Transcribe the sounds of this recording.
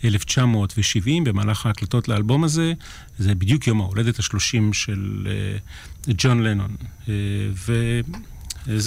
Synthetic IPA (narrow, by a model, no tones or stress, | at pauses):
ʔeleft͡ʃamo̞ːtveʃivimbe̞maːlaχaːklato̞tlealbo̞maze̞ | zebid̪jukjo̞maole̞dethaʃlo̞ʃimʃel̰ | d͡ʒo̞nlenon | ve | z